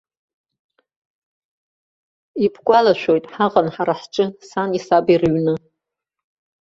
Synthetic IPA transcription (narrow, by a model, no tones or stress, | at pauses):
ibʰkʷʼalaʃʷᶣojtʼħaʁʼanħaɾaħʈ͡ʂʼɨsanisabirɥnɨ